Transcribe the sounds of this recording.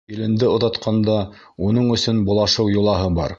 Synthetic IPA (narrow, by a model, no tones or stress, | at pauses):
ilɘ̆nd̪ɘŏðɑt̪qʰɑnd̪ɑ | unɤɴɵ̆sɵnbŏlˠɑʃɤwjŭlˠɑɦɤbɑ̰ɾ